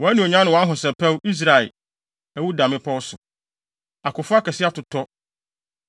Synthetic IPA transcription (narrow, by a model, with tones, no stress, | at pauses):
wɔ˨æ˦nũ˨o˨ɲã˦nʊ̃˨wɔ˨a˦ɦʊ̃˨sɛ˨pʰɛ˦wi˦s̬ɾa˨ɛ̰˨ | æ˨wu˦dã˨mɪ̃˦pʰɔ˦wsʊ˨ | a˨kʊ˨fʊ˦a˦kɛ˨sɪ˦a˦tʊ˨tʰɔ˦